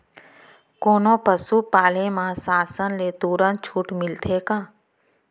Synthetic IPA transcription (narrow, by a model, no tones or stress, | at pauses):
koːnõpəsupaːlemãsaːsənlet̪uːɾənt̪̚t͡ʃʰuːʈmɪlt̪ʰeːkãː